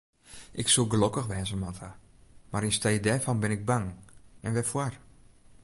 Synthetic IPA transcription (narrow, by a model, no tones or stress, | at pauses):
ʔɪksulˠɡlokəxʋɛːnzəmatʰa | maɾinstejdɛfɔnbɪnɪɡ̚baŋɛnʋɛfwar